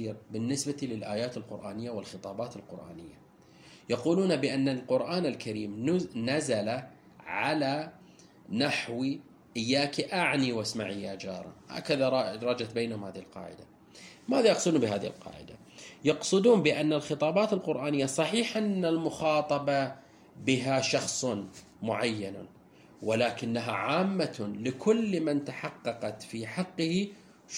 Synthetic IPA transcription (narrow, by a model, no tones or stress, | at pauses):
iːɾbɪnːɪsbat̪ilɪlʔaːjaːt̪ɪlqʊ̰ɾʔaːnɪjːawɪlxɨt̪ˤɑːbɑːt̪ɪlqʊ̰ɾʔa̰ːnɪjːa | jɑquːluːnabɪʔanːalqʊɾʔaːnɪlkaɾiːmnazala | ʕala | naħwi | ʔɪjːaːkiʔaʕniwasmaʕijad͡ʒɑːɾˤɑ̰ha̰ːkaðaɾˤɑɾˤɑd͡ʒat̪̚beːnhʊmhaːðihɪlqɑ̰ːʕɪ̰d̪a | maːðaʔɑqsˤd̪bɪɦaːðihɪ̰lqɑ̰ːʕɪ̰d̪a | jɑqsˤɨd̪uːnbɪʔanːalxɨt̪ˤɑːbɑːt̪ɪlqʊɾʔaːnɪjːasˤɑħiːħʔanːalmʊxɑːt̪ˤɑbɑ | bɪɦaʃɑxsˤ | mʊʕajːan | wɪlaːkɪnːaɦa̰ʕaːmːalɪkʰʊlːmant̪aħɑqːɑqɑt̪fiħɑqːəhi